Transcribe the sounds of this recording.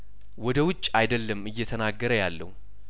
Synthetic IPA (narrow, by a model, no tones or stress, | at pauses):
wɔd̪əwʊt͡ʃʼːajd̪əlːəmɨjːɛt̪ʰənaɡːəɾəjalːə̰hu